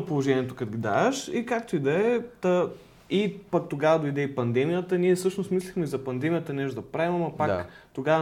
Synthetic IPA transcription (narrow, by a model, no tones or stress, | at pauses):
polˠoʒɛnʲiɛt̪o̥kɐt̪ɡʲid̪a̰ʃikak̚t̪oid̪ɐɛt̪ɐ | ipɐk̚t̪oɡavɐd̪oid̪ɛipɐnd̪ɛmijət̪əniɛfsɤʃnost̪mislixmɛizɐpɐnd̪ɛmijət̪ənɛʒd̪ɐpɾaimɐmɐpakt̪oɡavə